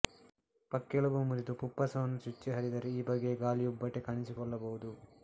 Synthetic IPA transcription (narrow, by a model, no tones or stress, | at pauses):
pɐkːeɭɐbumuɾit̪upupːɐsɐʋɐnːut͡ʃut͡ʃːeɦɐɾid̪ɐɾeiːbɐɡːeɡaːlijubːɐʈːekɐɳisikɔɭːɐbɐɦud̪u